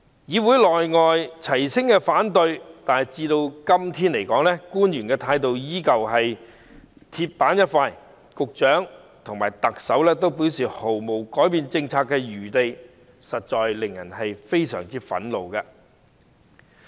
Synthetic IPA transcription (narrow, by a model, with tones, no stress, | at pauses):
jiː˨˧wuː˨˥jlɔː˨˩jŋɔː˨˧jt͡sʰɐ˨˩jsɪ˥ŋkɛː˧faː˨˥nt̪ɵ˨˧ɥt̪aː˨nhɐ˨˩jt͡siː˧t̪o˧wkɐ˥mt̪ʰiː˥nle˨˩jkɔː˨˥ŋlɛ˥kuː˥njyː˨˩nkɛː˧t̪ʰaː˧jt̪o˨wjiː˥kɐ˨wɦɐ˨j | t̪ʰiː˧t̚paː˨˥njɐ˥t̚faː˧j | kʊ˨k̚t͡ʃœː˨˥ŋt̪ʰʊ˨ŋmaː˨˩jt̪ɐ˨k̚sɐ˨˥wlɛː˥t̪o˥wpiː˨˥wsiː˨ho˨˩wmo˨˩wkɔː˨˥jpiː˧nt͡sɪ˧ŋt͡sʰaː˧kːɛː˧jyː˨˩t̪e˨j | sɐ˨t̚t͡ʃɔː˨˧jlɪ˨ŋjɐ˨˩nhɐ˨jfe˥jsœ̰ː˨˩ŋt͡siː˥fɐ̰˨˥nlo˨wkɐ˧